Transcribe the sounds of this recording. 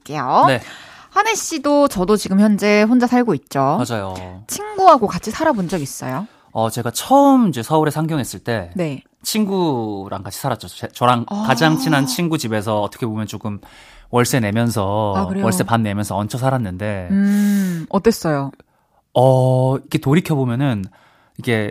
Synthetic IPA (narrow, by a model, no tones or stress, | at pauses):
k͈ejone̞ | hane̞ɕ͈idot͡ɕʌdot͡ɕiɡɯmçjʌnd͡ʑe̞ɸond͡ʑasʰaɭɡoit̚t͡ɕ͈omad͡ʑajot͡ɕʰinɡuɦaɡokat͡ɕʰisʰaɾabond͡ʑʌɡis͈ʌ̰jo | ʌt͡ɕe̞ɡat͡ɕʰʌɯmid͡ʑe̞sʰʌuɾe̞sʰaŋɡjʌŋɦe̞s͈ɯɭt͈e̞ne̞ | t͡ɕʰinɡuɾa̰ŋɡat͡ɕʰi̥sʰaɾat̚t͡ɕ͈ot͡ɕet͡ɕʌɾaŋkad͡ʑaŋt͡ɕʰinant͡ɕʰinɡud͡ʑibe̞s̬ʰʌːt͈ʰʌkʰebomjʌnt͡ɕoɡɯm | wʌɭs͈e̞ne̞mjʌns̬ʰʌakɯɾewʌɭs͈e̞panːe̞mjʌnsʰʌʌnt͡ɕʰʌsʰaɾanːɯnde̞ | ʌt͈ːes͈ʌjo | ʌiɡe̞toɾikʰjʌbomjʌnɯn | iɡe̞